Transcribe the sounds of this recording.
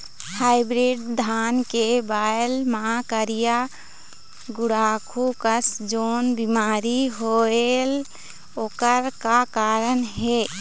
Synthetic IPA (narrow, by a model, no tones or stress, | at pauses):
haɪbɾiɖd̪ʱankebaelmaakəɾija | ɡuɽakʰukəsd͡ʒoːnbimaɾiɦoel | okəɾkakaɾənɦe